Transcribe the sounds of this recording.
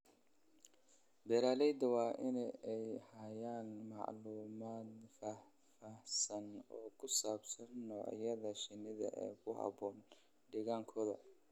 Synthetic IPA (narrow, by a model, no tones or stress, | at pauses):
b̪ɛɾaːlɛjd̪ɐwɑːʔɪnɛɛjhɐjaːnmɑ̰ʕluːmaːd̪fa | fɐhsɐnɔːkʰʊsaːbsɐnːɔːʕjɐðɐʃɪnɪðɐ̰ʔɛ̰ːkʰʊhɑ̰bɔːn | ɖɪɣaːŋkʰɔːðɐ